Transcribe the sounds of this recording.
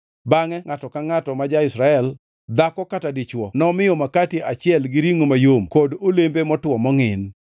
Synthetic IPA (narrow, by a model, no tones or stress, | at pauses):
baŋɛŋatɔkaŋatɔmad͡ʒaɪsɾaɛl | d̪akɔkatadɪt͡ʃwɔnɔmɪjɔmakatiʔat͡ʃɪɛlɡɪɾiŋomajomkodolembemɔtwɔmɔŋɪn